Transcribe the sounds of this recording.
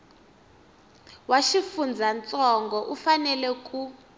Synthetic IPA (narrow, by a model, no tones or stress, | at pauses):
waʃifund͡zʱant͡sʼɔŋɡɔʔufanɛlɛkʼu